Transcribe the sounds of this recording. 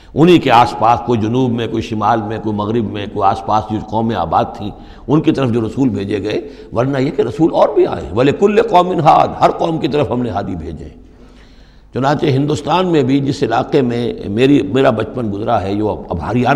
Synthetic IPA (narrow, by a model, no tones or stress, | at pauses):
ʊnɦĩkeaːspaːskoːid͡ʒʊnuːbmẽkoːiʃɪmaːlmẽkoːimɐɣɾɪbmẽkoːiaːspaːsd͡ʒoqɔːmːẽa̰ːbaːd̪̚t̪ʰĩː | ʊnkit̪ɐɾəfd͡ʒoːɾɐsuːlbʱeːd͡ʒeɡɐe | ʋɐɾnajekeɾɐsuːlɔːɾbʱia̰ːḛ̃ʋɐlekʊlːeqɔːmɪ̃nɦaːd̪hɐɾqɔːmkit̪ɐɾəfɦɐmnẽɦaːd̪ibʱḛːd͡ʒḛ̃ | t͡ʃʊnãːt͡ʃeɦɪ̃nd̪ʊst̪aːnmẽbʱid͡ʒɪsɪlaːqemẽmeːɾimeːɾabɐt͡ʃpənɡʊzɾaɦɛjoːɐ̰baːɾijaː